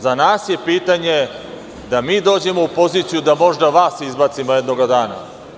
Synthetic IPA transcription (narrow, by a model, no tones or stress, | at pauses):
zanaːsje̞piːt̪aɲe̞ | d̪amiːd̪o̞ːd͡ʑe̞mo̞upo̞zit̪sijud̪amo̞ʒd̪aʋaːsizbat̪simoje̞d̪no̞ɡad̪aːna̰